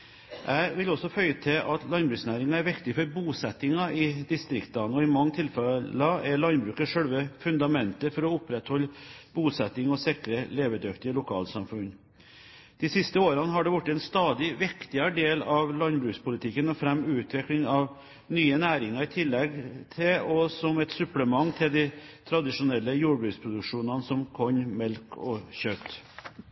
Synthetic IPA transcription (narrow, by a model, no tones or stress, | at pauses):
ʔæɪʋɪlɔsːɔfœʏət̪ʰɛʔɑt̪lɑnbɾʉːksnæːɾɪŋɑæɾʋɪkt̪ɪfɔɾbuːsɛt̪ːɪŋɑɪd̪ɪst̪ɾɪkt̪ɑnɔɪmɑŋːt̪ʰɪlfɛlɑɛɾɭɑnbɾʉːkəʂœɽʋəfʉnd̪ɑmɛnt̪əfɔɾɔʊpːɾɛt̪hɔlːbuːsɛt̪ːɪŋɔsɪkɾəleːʋəd̪œkt̪ɪəlʊkʰɑ̰ːlsɑmfʉn | d̪̥isɪst̪əoːɾɑnəɦɑɖɛʋʊʈːɛnst̪ɑːd̪ɪʋɪkt̪ɪɑɖeːlɑʋlɑnbɾʉːkspʰʊlɪt̪ʰɪkːənɔfɾɛmːʉːt̪ʰʋɪklɪŋɑʋ | nyːənæːɾɪŋɑɾɪt̪ʰɪlːɛɡt̪ʰɪɔsɔmɛt̪sʉpləmɑŋːt̪ʰɪld̪æɪt̪ʰɾɑd̪ɪʂʊnɛlːəjuːɖbɾʉːkspʰɾʊd̪ʉkʂuːnɑnəsɔmkʰɔɲmɛlkʰɔɕœt̪